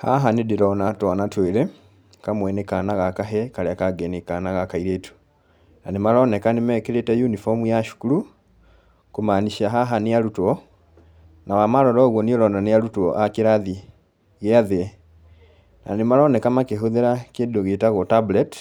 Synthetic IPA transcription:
ha̰ɦanedeɾɔnatwɔnatweɾe | kamwɛnekanaɣakaɦɛkaɾeakaɡɛnekanaɣakaiɾetu̥ | nanemaɾɔnɛkanemɛkeɾetɛjunifɔmujaʃu̥kuɾu | komaniʃiaɦaɦanejaɾutwɔ | nawamaɾɔɾɔɣwɔniɔɾɔnanejaɾutwɔʔakeɾaði | ɣeaðe | nanemaɾɔnɛkamakeɦoðeɾakedoɣetaɣɔtablɛt

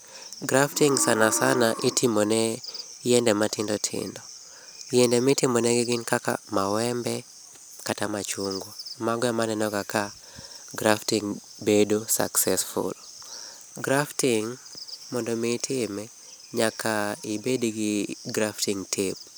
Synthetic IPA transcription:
ɡɾaftiŋsanasanaʔɪtʰɪmonɛjɛndɛmatʰɪndɔtʰɪ̰ndɔ | jɛndɛmitɪmonɛɡɪɡɪnkaka̰mawɛmbɛ | katamat͡ʃuŋɡomaɡɔamanɛnɔɡaka | ɡɾaftiŋ | bedosa̰ksɛsfṵl | ɡɾaftiŋmɔndɔmitʰɪmɛ | ɲakʰaibediɡɪɡɾaftiŋtʰeb̚

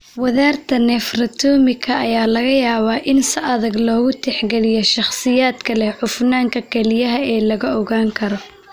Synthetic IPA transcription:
wɐðaːrt̪ʰɐnɛːfrɐt̪ʰuːmɪkʰɐɐjaːlɐɣɐjaːβaːʔɪnsɪʔɐðɐɡlɔːɣʊt̪ʰɛħɡɛlɪjɔʃɑχsɪjaːd̪kʰɐlɛhħʊfnaːŋkʰɐkʰɛlɪjɐɦɐɛːlɐɣɐɔɣaːŋkʰɐɾɔ

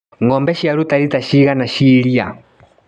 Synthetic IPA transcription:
ŋɔmbɛʃiaɾutaɾitaʃiɣanaʃiɺia

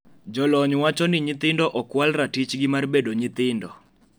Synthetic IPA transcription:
d͡ʒɔlɔɲwat͡ʃɔnɪɲɪt̪ɪndɔʔɔkwalratit͡ʃɡɪmarbedoɲɪt̪ɪndɔ

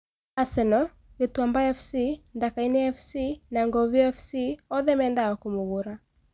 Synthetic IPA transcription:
asɛnɔ | ɣetwambaɛfsindakainɛɛfsinaŋɡɔviɛfsiɔðɛmɛːndaɔkomoɣoɾa

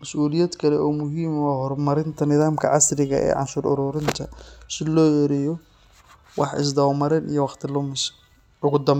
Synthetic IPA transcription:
mɐsʔuːlɪjɐd̪kʰɐlɛʔɔːmʊɦiːmwɑːhɔrmɐɾɪnt̪ʰɐnɪðaːmkʰɐ̰ʕɑsrɪɣɐʔɛ̰ːʕɑ̰nʃʊːɾʔʊ̰ɾʊːɾɪnt̪ʰɐsɪlɔːɛɾɛjɔ | wɑħɪ̰s̬d̪ɐwmɐɾɛnḭjɔwɑχt̪ʰɪlʊmɪs | ʊɣʊd̪ɐm

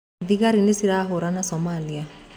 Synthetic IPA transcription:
d̪iɡaɾinesiɾaɦoɾanasɔmalia

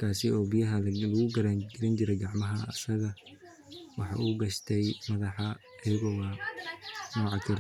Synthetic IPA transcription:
kʰaːsɪɔːbijɐɦɐlɐɣʊɡɐɾaːŋɡɛlɪnt͡ʃɪɾɛjɡɑʕmɐɦɐɐsɐɣɐ | wɑħɑ̰ːʔuːɡɐʃt̪ʰɛjmɐðɑħɑ | ɐjɐɣɔːwa | nɔːʕɑt̪ʰɪɾ

